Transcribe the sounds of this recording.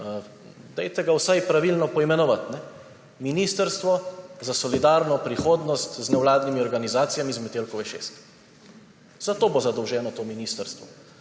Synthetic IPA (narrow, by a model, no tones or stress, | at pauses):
d̪ɛjt̪ɛɡawsajpɾaʋilnɔpɔimɛnɔʋat̪nɛ | minist̪əɾst̪ʋɔzasɔlid̪aɾnɔpɾixoːd̪nɔst̪znɛwlaːd̪nimiɔɾɡanizaːt̪sijamizmɛt̪elkɔʋɛʃḛst̪ | z̥at̪oːbozad̪ɔwʒɛːnɔt̪oːminist̪əɾst̪ʋɔ